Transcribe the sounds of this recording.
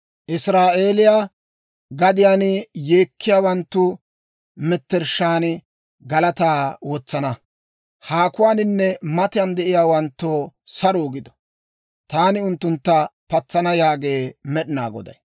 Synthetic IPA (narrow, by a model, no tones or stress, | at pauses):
ʔɪsɾaːʔe̞ːlɪjaː | ɡɐd̪ɪjaːnje̞ːkʰːɪjaːwɐnt̪ːʊ | mɛt̪ːɛɾʃːaːnɪ | ɡɐlɐt̪aːwɔt͡sːɐnɐ | haːkʊwaːnɪnːɛmɐt̪ɪjɐnd̪ɛʔɪjaːwɐnt̪ːoːsɐɾoːɡɪd̪ɔ̥ | t̪aːnɪʊnt̪ːʊnt̪ːɐpɐt͡sːɐnɐjaːɡe̞ːmɛɗɪnaːɡɔ̰d̪ɐ̰j